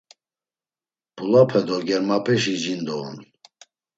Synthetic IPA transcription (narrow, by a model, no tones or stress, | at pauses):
b̥ulapʰɛd̪ɔɡɛɾmapʼɛʃid͡ʒind̪ɔːn